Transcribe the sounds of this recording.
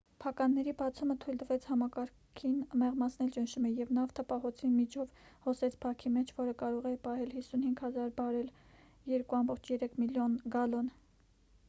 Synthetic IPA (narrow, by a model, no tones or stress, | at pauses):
pʰɑkɑnːɛɾibɑt͡sʰumət̪ʰujld̪əvɛt͡sʰhɑmɑkɑɾ | kʰinmɛʁmɑt͡sʰnɛlt͡ʃənʃumɛjɛvnɑft̪ʰəpɑɦɔt͡sʰinmit͡ʃʰɔvhɔsɛt͡sʰpʰɑkʰimɛt͡ʃʰvɔɾəkɑɾɔʁɛpɑɦɛlhisunhiŋɡhɑzɑɾbɑɾɛl | jɛɾkuɑmbɔχt͡ʃʰjɛɾɛkʰmiljɔnɡɑlɔn